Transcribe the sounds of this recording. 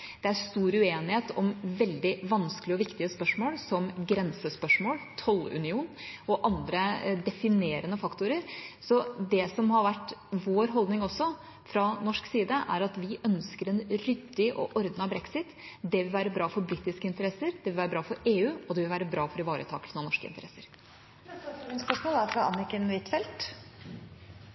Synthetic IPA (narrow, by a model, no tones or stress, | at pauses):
d̪̥ɛæɾst̪uːɾʉeːnɪheːt̪ɔmʋɛld̪ɪʋɑnsklɪəɔʋɪkt̪ɪəspœʂmoːlsɔmɡɾɛnsəspœʂmoːlt̪ʰɔlʉ̰nɪuːnɔʔɑnd̪ɾəd̪ɛfɪneːɾənəfɑkt̪ʊɾəɾsɔd̪ɛsɔmhɑɾʋæʈːʋoːɾɦɔld̪nɪŋɔsɔ | fɾɑnɔʂksiːd̪əʔæ̰ɾɑt̪ʋɪʔœnskəɾɛnɾʏd̪ːɪɔ̰ʔɔɾd̪nɑbɾɛksɪt̪ | d̪ɛʋɪlʋæːɾəbɾɑːfɔɾbɾit̪ːɪskəɪnt̪əɾɛsːəɾd̪̥ɛʋɪlʋæːɾəbɾɑːfɔɾeːʉːɔd̪ɛʋɪlʋæːɾəbɾɑːfɔɾɪʋɑːɾə̰t̪ʰɑ̰ːk̪sənɑnɔʂkə̰ɪ̰nt̪əɾɛsːəɾ | nspœʂmoːlɑfɾɑɑnɪkənʋɪt̪fɛlt̪